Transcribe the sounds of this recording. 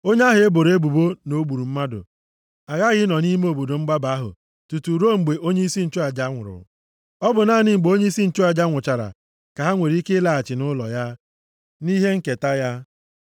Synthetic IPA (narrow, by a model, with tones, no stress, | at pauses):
o˦ɲe˦a˦ɦe˨e˦bo˨ɾe˦bu˨bo˦no˦ɡ͡bu˨ɾu˨m̩˦ma˦dʊ̰˨ | a˨ɣa˦ɣɪ˦nɔ˨ni˦me˦o˨bo˨do˨ŋ͡m̩˦ɡ͡ba˦ba˨˦ɦʊ̰˨ | tu˨tu˨ɾo˦ŋ͡m̩˨ɡ͡be˨ʔo˦ɲe˦i˦si˦n̩˨t͡ʃo˦a˨d͡ʒa˦ŋʷʊ̰˨ɾʊ̰˨ | ɔ˦bʊ˨naː˦˨nɪ˨ŋ͡m̩˨ɡ͡bo˦ɲe˦i˦si˦n̩˦t͡ʃo˦a˨d͡ʒa˦ŋʷʊ˨t͡ʃa˨ɾa̰˨ | ka˨ɦa˦ŋʷe˨ɾi˦ke˦la˨a˨t͡ʃɪ˨nʊ˦lɔ̰˨ja˦ | ni˦ɦe˦ŋ̩˦ke˨ta˦ja˦